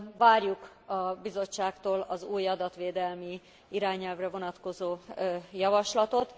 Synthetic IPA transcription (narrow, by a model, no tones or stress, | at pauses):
vaːrjuk | ɒbizo̞t͡ʃːaːkt̪oːlɒzuːjɒd̪ɒt̪ʋeːd̪ɛlmi | iɾaːɲɛlvrɛvo̞nɒt̪ko̞zoːjɒvɒʃlɒt̪o̞t̪